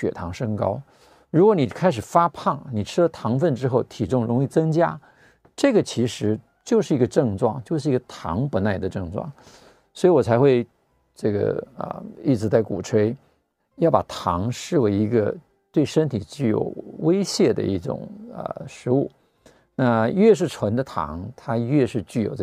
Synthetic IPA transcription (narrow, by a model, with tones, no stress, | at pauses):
ɕɥɛ̰˨˩t̪ʰɑ˧˥ŋʂɤ˥ŋkɑ̰˥ʊ | ɻu˧˥kwɔ˧˥ni˨˩kʰa˥ɪʂ̬ɻ̩˨˩fa˥pʰɑ˥˩ŋni˨˩ʈ͡ʂʰɻ̩˥lə˨t̪ʰɑ˧˥ŋfə˥˩nʈ͡ʂɻ̩˥xo˥˩ʊt̪ʰi˨˩ʈ͡ʂʊ˥˩ŋɻʊ˧˥ŋi˥˩t͡sɤ˥ŋt͡ɕja˥ | ʈ͡ʂɤ˥˩ɡə˩t͡ɕʰi˧˥ʂɻ̩˧˥ | t͡ɕjo˥˧ʊʂɻ̩˥˩i˧˥ɡə˧ʈ͡ʂɤ˥˧ŋʈ͡ʂwɑ̰˥˩ŋt͡ɕjo˥˧ʊʂɻ̩˥˩i˧˥ɡə˧t̪ʰɑ̰˧˥ŋpu˧˥na˥˩ɪd̪ə˩ʈ͡ʂɤ˥˧ŋʈ͡ʂwɑ̰˥˩ŋ | swɔ˧˥i˧˥wɔ˨˩t͡sʰa˧˥ɪxwe˥˧ɪ | ʈ͡ʂɤ˥˩ɡə̰˩ə̰˧i˥˩ʈ͡ʂɻ̩˧˥t͡s̬a˥˩ɪku˨˩ʈ͡ʂʰwe˥ɪ | jɑ˥˩ʊpa˨˩t̪ʰɑ˧˥ŋʂɻ̩˥˩we˧˥ɪi˧˥ɡə˧ | t̪we˥˩ɪʂə˥nt̪ʰi˨˩t͡ɕy˥˩jo̰˨˩ʊwe˥ɪɕjɛ˥˩d̪ə̰˩i˥˩ʈ͡ʂʊ̰˨˩ŋə̰˧˩ʂɻ̩˧˥u˥˩ | na˥˧ɥɛ˥˧ʂ̬ɻ̩˥˩ʈ͡ʂʰwə˧˥nd̪ə˧t̪ʰɑ̰˧˥ŋt̪ʰa˥ɥɛ˥˧ʂɻ̩˥˧t͡ɕy˥˩jo̰˨˩ʊʈ͡ʂ